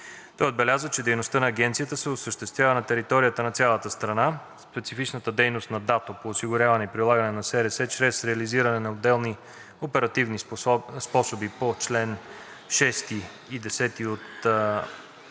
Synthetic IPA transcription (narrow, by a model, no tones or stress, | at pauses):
t̪ɔjod̪bɛlʲazət͡ʃɛd̪ɛjnost̪ɤnɐːɡɛnt̪sijət̪əsɛʊsəʃt̪ɛst̪vʲjavənɐt̪ɛɾit̪ɔɾijət̪ənɐt̪sʲjalˠət̪əst̪ɾɐna | spɛt̪sifit͡ʃnət̪əd̪ɛjnost̪nɐd̪at̪opoːsiɡʊɾʲjavɐnɛipɾilˠaɡɐnɛnɐsɛɾɛsɛt͡ʃɾɛsɾɛɐliziɾɐnɛnɐod̪ːɛlˠni | opɛɾɐt̪ivnispɔsobipot͡ʃlɛn | ʃɛst̪i | id̪ɛsɛt̪iot̪